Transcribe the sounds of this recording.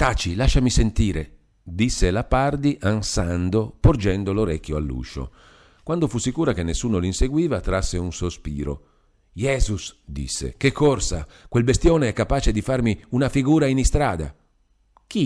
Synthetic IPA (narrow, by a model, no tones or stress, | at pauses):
t̪at͡ʃilaʃːamisent̪iːɾe | d̪isːelapard̪iʔansand̪opord͡ʒɛnd̪oloɾɛkʲːjoa̰lːṵːʃo̰ | kwand̪ofusːikuːɾakenːesːuːnolinseɡwiːvat̪ɾasːeunsospiːɾo̰ | jɛːzusd̪ḭsːḛkekːorsakwelbest̪joːneɛkːapaːt͡ʃed̪ifarmiunafiɡuːɾainist̪ɾaːd̪a̰ | k̟i